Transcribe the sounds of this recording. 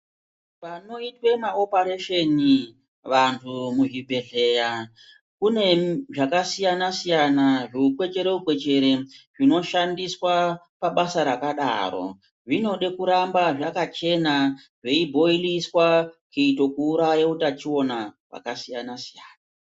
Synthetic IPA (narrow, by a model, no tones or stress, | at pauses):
ʋano̞itwe̞mao̞paɾeʃeni | ʋantʰumuʐibʱe̞ɮe̞ːja | kune̞ʐakasijanasijanaʐiukwe̞t͡ʃe̞ɾe̞ukwe̞t͡ʃe̞ɾe̞ʐino̞ʃandiswa | paɓasaɾakaɗa̰ːɾo̞̰ | ʐino̞ɗe̞kuɾambaʐakat͡ʃe̞na | ʐe̞ibʱo̞iliswakeito̞kuːɾajeutat͡ʃio̞na | wa̰kasijanasijaːna